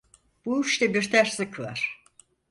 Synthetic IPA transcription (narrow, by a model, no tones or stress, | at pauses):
b̥uyʃt̪ɛbiɾt̪ʰæɾslɨkʰɯlˠa̰ɾ̥